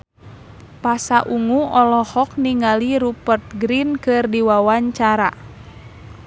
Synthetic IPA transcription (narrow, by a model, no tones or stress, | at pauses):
pasaʔuŋuɔlɔhɔk̚niŋaliɾupərt̪̚ɡɾinkɨrdiwawaɲt͡ʃaɾa